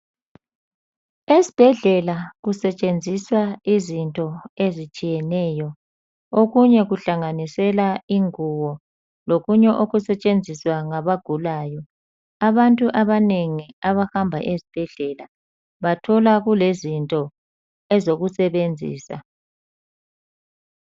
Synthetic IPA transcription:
ezib̥ʱɛɮɛlaɣusɛt͡ʃʼend͡zʱiswaizintʼɔezit͡ʃʼijɛnɛːjɔ | oɣuɲɛɣuɬaŋanisɛlaiŋuwɔ | loɣuɲɛʔoɣusɛt͡ʃʼend͡zʱiswaŋaβaɡ̥ʱulaːjɔ | aβantʼuʔaβaneŋiaβahambʱa̰ʔezib̥ʱɛɮɛla | βatʰɔlaɣulezintʼɔ | ɛzoɣusɛβend͡zʱḭːsa̰

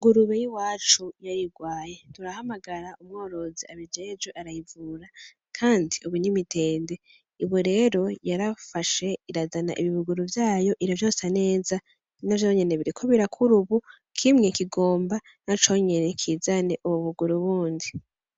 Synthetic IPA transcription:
ɡuɾuβejiwaːt͡ʃujaɾiɡwaːje̞tuɾahamaɡaɾaumŋo̞ːɾo̞ziaβid͡ʒeːd͡ʒweʔaɾajivuːɾa | kʰaːndiuβinimitʰe̞ːnde̞ | iβuɾe̞ːɾo̞jaɾafaʃe̞iɾazana̰ʔiβiβuɡuɾuvjaːjo̞ʔiɾovjo̞ːsane̞ːza | navjo̞ːɲe̞ne̞βiɾikʰoβiɾakʰuɾuβu | kʰimŋekiɡo̞ːmba | nat͡ʃo̞ɲe̞ne̞kʰizane̞ʔuβuβuɡuɾuβuːndi

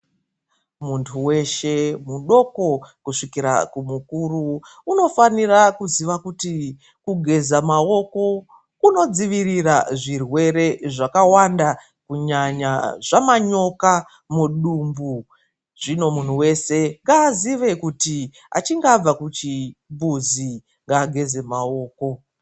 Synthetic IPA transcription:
muntʰuwe̞ʃe̞muɗo̞ko̞kuʂikiɾa̰kumukuruːno̞fanirakuziʋakuti | kuɡʱe̞zamao̞ko̞ | uno̞d͡ziʋiriraʐirwe̞ɾe̞ʐakawanda | kuɲaɲaʐ̥amaɲo̞ka | muɗumbu | ʐ̥ino̞mun̤uwe̞se̞ŋɡaːziʋe̞kuti | a̰t͡ʃiŋɡab͡vakut͡ʃibuzi | ŋɡaːɡʱe̞ze̞mao̞ːko̞

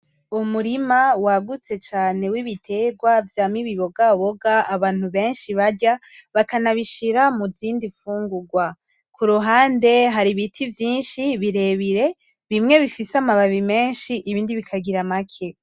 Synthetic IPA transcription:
umuɾimawaɡut͡se̞t͡ʃaːne̞wiβitʰe̞ɡwavjaːmiβiβo̞ɡaβo̞ɡaːβaːn̥huβe̞ːnʃiβaɟa | βakanaβiʃiɾamuziːndifuːŋɡuɡwa | kuɾuɦaːnde̞ɦaɾiβitʰivjiːnʃiβiɾe̞βiɾe̞ | βimŋe̞βifisamaβaβime̞ːnʃiʔiβiːndiβikʰaɡiɾamakʰe̞

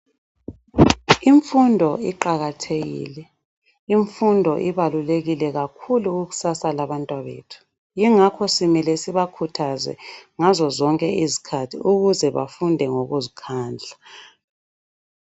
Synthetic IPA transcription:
iɱfundʱɔiǃaɣatʰeɣḭːlɛ | iɱfundʱɔʔiβaluleɣilɛɣakʰuluuɣu̥sasalaβantʼwaβḛːtʰu̥ | jiŋakʰɔsimɛlɛsiβakʰutʰazɛ̰ŋazɔzɔŋkʼɛʔizi̥kʰatʰiuɣuzɛβa̰fundʱɛŋoɣuzikʰaːnd͡ɮʱa

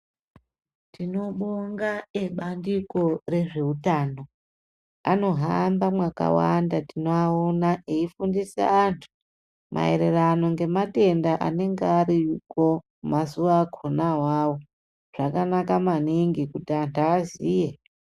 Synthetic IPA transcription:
tino̞ɓoŋɡaeɓandiko̞re̞ʐe̞utaːno̞ | ano̞ɦambamwaka̰wandatinoaonaʔeifundisa̰antʰu̥ | mʔa̰e̞̰ɾe̞rano̞ŋɡe̞mate̞ndaʔa̰ne̞ŋɡeaɾiko | masuʋakʰonawawo | ʐ̥akanakamaniŋɡikutiantaːziːje

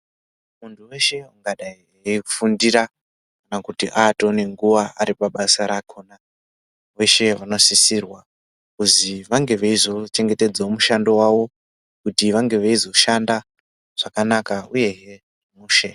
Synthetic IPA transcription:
muntʰuwe̞ʃe̞uŋɡaɗai | eku̥fundiɾa | kanakutiʔato̞ne̞ŋɡuʋaaɾipaɓasaɾakʰoːna | we̞ʃe̞ʋano̞sisirwa | kuziʋaŋɡe̞ʋeizo̞t͡ʃe̞ŋɡe̞te̞d͡zaomuʃando̞waʋo̞ | kutiʋaŋɡe̞ʋeizo̞ʃanda | ʐ̥akanakauje̞ɦe | muːʃe

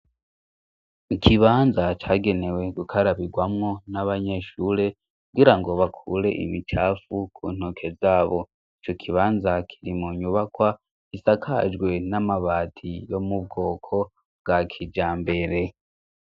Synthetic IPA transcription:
ikʰiβaːnzat͡ʃaːɡe̞ne̞we̞ɡukʰaɾaβiɡwamŋo̞naβaɲe̞ʃuɾe̞ | kkuɡiɾaŋɡo̞βakʰuɾe̞̰ʔḭmit͡ʃaːfukʰuːn̥okʰe̞zaːβo̞ | it͡ʃo̞kʰiβaːnzakʰiɾimuɲuβakwa | kisakʰa̰d͡ʒɡwe̞namaβaːtʰijo̞mub̚ɡo̞ːkʰo̞ | bɡ̥akʰid͡ʒaːmbe̞ɾe̞

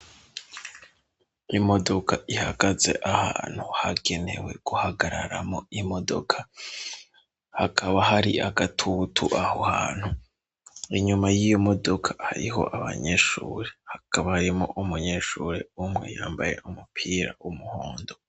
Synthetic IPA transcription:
imo̞do̞kʰaʔihaɡazeʔahaːn̥huhaɡe̞ne̞we̞̰ɡ̥uhaɡaɾa̰ɾamoimo̞do̞̰kʰḁ | hakʰaβaɦaɾiʔaɡatʰutʰuʔahohaːn̥hu | iɲumajijomo̞do̞kʰḁhaɾḭɦo̞̰ʔaβa̰ɲeʃuːɾehakʰaβahaɾimoʔumuɲe̞ʃuːɾe̞umŋe̞̰jaːmbaje̞̰ʔumupʰiːɾa̰ʔumuhoːndo

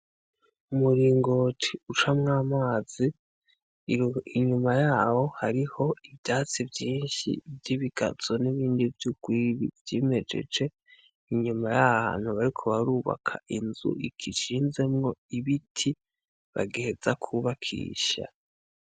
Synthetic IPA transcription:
umuɾiːŋɡotʰiut͡ʃamŋaːmaːz̥i | iɲumajaːho̞haɾiho̞ivdaːt͡sivjiːnʃḭvjiβiɡ̥a̰z̥o̞niβiːndivjuɡ̥wiːβḭvjeːme̞d͡ʒe̞̰d͡ʒe̞ | iɲumajaβha̰nhuβaɾikʰo̞βaɾuːβa̰kʰa̰ʔinzṵikʰiʃiːnze̞mŋo̞iβitʰi | βa̰ɡehez̥akʰuβakʰḭːʃa̰

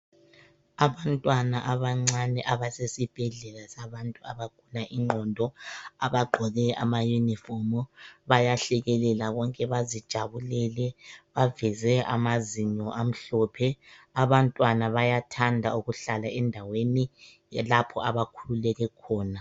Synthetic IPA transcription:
aβantʼwanaʔaβaŋ͡ǀanɛʔaβasesib̥ʱɛɮɛlasaβantʼuaβaɡ̥ʱulaʔiŋ͡ǃʱɔndʱɔaβaɡ͡ǃʱɔɣɛʔa̰majunifɔmɔβajaɬɛɣɛlɛlaɣɔŋkʼɛβazid̥ʒ̥ʱaβulɛlɛβavɛzɛʔa̰maziɲɔʔam̩ɬɔːpʰɛaβantʼwanaβajatʰandʱauɣuɬalaɛndʱaweni | lapʰɔaβakʰululɛɣɛkʰɔːna

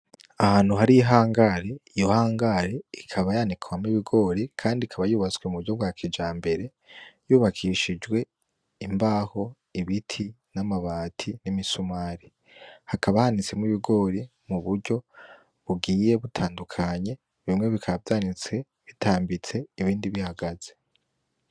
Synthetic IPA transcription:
ahaːn̥huɦaɾiɦaːŋɡaɾe̞ijo̞haːŋɡaɾe̞ikʰaβajanikʰawamiβiɡo̞ːɾikʰaːndikʰaβajuːβat͡sweumuβuɾɟo̞bɡwaːkʰid͡ʒaːmbe̞ɾe | juːβakʰiʃid͡ʒwe̞ | imbaːho̞ | iβitʰi | namaβaːtʰinimisumaːɾi | hakaβahanit͡semiβiɡo̞ɾi | muβuɾɟo̞ | βuɡiːje̞βutʰaːndukʰaɲe̞ | βimŋe̞βikʰavjaːnit͡se̞ | βitʰaːmbit͡se̞iβiːndiβihaɡaz̥e̞

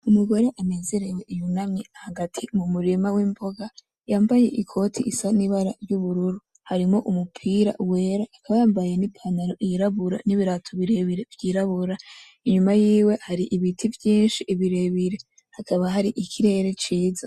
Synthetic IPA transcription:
umuɡo̞ɾe̞ʔane̞ːze̞ɾe̞we̞ʔijunamŋeahaɡatʰimumuɾimawiːmbo̞ɡa | jaːmbaje̞ʔikʰo̞tʰḭʔisaniβaɾaɾjuβuɾuɾu | haɾimo̞ʔumupʰiːɾa̰ʔuwe̞ːɾahːkʰaβajaːmbaje̞nipʰanaɾo̞ʔijiɾaβuɾa̰niβiɾatʰoβiɾe̞βiɾe̞vjiːɾaβuɾa | iɲumajiːwe̞haɾiʔiβitʰivjiːnʃiʔiβiɾe̞βiɾe̞ | hakʰaβaɦaɾiʔikʰiɾe̞ːɾe̞t͡ʃiːza

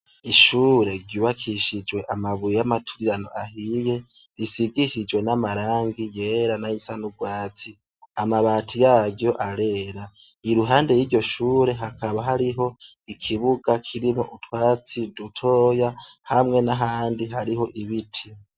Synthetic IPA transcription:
iʃuːɾe̞ɾɟuːβakʰiʃid͡ʒwe̞ʔamaβujjamatʰu̥iɾano̞̰ʔahije̞ | ɾisiɡiʃid͡ʒwe̞namaɾaːŋɡijeɾanajisanuɡwaːt͡si | amaβaːtʰujaːɟjo̞ʔaɾe̞ːɾa | iɾuɦaːnde̞jiːɾɟo̞ʃuːɾe̞ɦakʰaβaɦaɾiɦo̞ | ikʰiβuɡakʰiɾimo̞ʔutwaːt͡sidutʰo̞ːjahamŋe̞naɦaːndiɦaɾiɦo̞ʔiβitʰi

